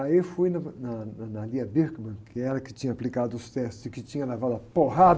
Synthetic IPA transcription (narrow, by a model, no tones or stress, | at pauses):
aewfujnɐnɐnɐnaliɐbiɾɡmɐ̃kʰɪɛɾɐkɪ̥t͡ʃĩɲɐaplikad̪ʊʊst̪ɛst̪ʊzɪkɪt͡ʃĩɲɐlevad̪ʊɐpoɦad̪